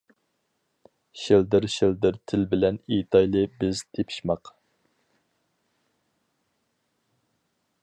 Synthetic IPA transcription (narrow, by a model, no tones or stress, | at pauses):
ʃild̪ɪɾʃild̪ɪɾt̪ʰɪlbɪlɛnit̪ʰɑjlˠɨbɪz̥t̪ʰepʰi̥ʃmɑq